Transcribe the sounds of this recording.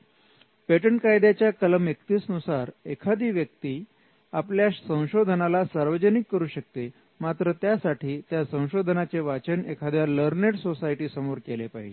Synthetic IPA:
peʈəɳkajd̪jat͡ɕjakələmekt̪iːsnusaɾekʰad̪iːʋjək̚t̪iː | apljaɕsə̃w̃ɕod̪ʱənalasaɾʋəd͡ʑənikːəɾuːɕək̚t̪e | mat̪ɾət̪jasaʈʰiːt̪jasə̃w̃ɕod̪ʱənat͡seʋat͡ɕənekʰad̪ʱjaləɾneʈsosaiʈiːsəmoɾkelepaɦid͡ʑe

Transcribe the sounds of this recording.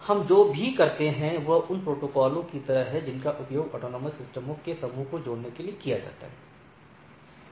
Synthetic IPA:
hɐmd͡ʒoːbʱikɐɾt̪eɦɛ̃ʋɐʊnpɾoːʈoːkɔːlõkit̪ɐɾəɦɦɛd͡ʒɪnkaʔʊpjoːɡɔ̰ːʈoːnɔːməsɪsʈəmõkesɐmũːkod͡ʒoːɽnekeliekijad͡ʒa̰ːt̪a̰ɦɛː

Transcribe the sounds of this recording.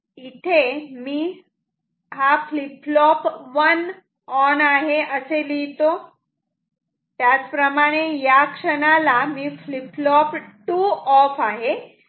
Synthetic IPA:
it̪ʰemiː | ɦafliplɔpʋən | ɔnaɦeʔəselit̪o | t̪jat͡spɾəmaɽ̃ejakʂəɽ̃alamiːfliplɔpʈuɔfaɦe

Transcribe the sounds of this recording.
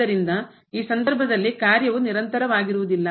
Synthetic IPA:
ɐɾind̪ɐ | iːsɐnd̪ɐɾbʱɐd̪ɐlːikaːɾjɐʋuniɾɐnt̪ɐɾɐʋaːɡiɾuʋud̪ilːɐ

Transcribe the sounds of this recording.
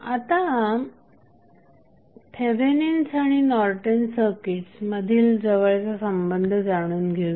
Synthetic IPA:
at̪a | pʰebeninsaɽ̃inɔɾʈənsəkiʈt͡sməd̪ʱiːld͡zəʋəɭt͡sasəmbənd̪ʱəd͡zaɽ̃uːnɡʱeʋ

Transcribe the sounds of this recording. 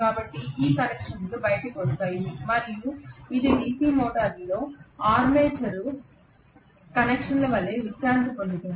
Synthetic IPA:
kaːbɐʈːiiːkɐnekʂɐnslubɐjʈɐkɐst̪aːjinimɐɾijuid̪iniːkilmoːʈɐɾloːaːɾmeːt͡ʃɐɾu | kɐnekʂɐnlɐʋɐlːeːʋit͡ʃːaːɲt͡ʃɐpond̪ut̪ːu

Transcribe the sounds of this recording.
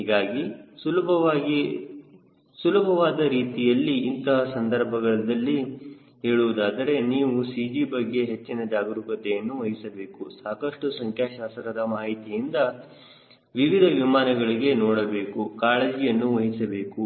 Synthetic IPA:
ɦiɡaːɡisulɐbʱɐaɡi | sulɐbʱɐʋaːd̪ɐɾiːt̪ijɐlːiːnt̪ɐɦɐsɐnd̪ɐɾbʱɐɡɐɭɐd̪ɐlːi | ɦeːɭuʋud̪aːd̪ɐɾe̞niːʋusiːd͡ʒiːbɐɡːe̞ɦet͡ʃːinɐd͡ʒaːɡɾukɐt̪ːejɐnːuʋɐɦisɐbe̞ːkusaːkɐʂʈusɐŋkʰjaːʃaːsɾɐd̪ɐmaːɦit̪ijind̪ɐ | ʋiʋid̪ʱɐʋimaːnɐɡɐɭiɡe̞nɔːɽɐbe̞ːkukaːɭeːd͡ʒijɐnːuʋɐɦisɐbe̞ːku

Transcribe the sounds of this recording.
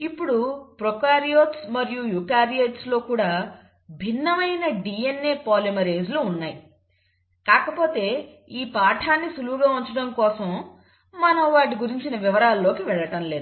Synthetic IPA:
ipːuɽupɾokaːɾijoːt̪smɐɾijujuːkaːɾieʈslo̞ːkuːɽaː | bʱinːɐʋɐjnɐɖiːenːe̞ːpaːlimɐɾe̞ːd͡ʒluːnːaːji | kaːkɐpo̞ːt̪e̞ː | iːpaːʈʰaːnːisuluɡaːuɲt͡ʃɐɽɐmkɔːsɐm | mɐnɐʋaːʈ̬iɡuɾiɲt͡ʃinɐʋiʋɐɾaːlːo̞ːkiʋɛɭːɐʈɐmle̞ːd̪u

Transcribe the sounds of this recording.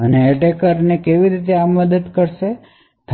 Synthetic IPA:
əneːʈekəɾnekeʋiɾit̪eamːəd̪əd̪kəɾʃe | t̪ʰ

